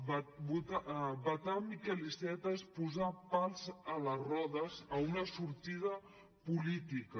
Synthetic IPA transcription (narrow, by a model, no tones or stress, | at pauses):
bbut̪abat̪amikɛlisɛt̪aespuzapalˠzələrɔðəzəunəsuɾt̪ið̞ə | pulit̪ikə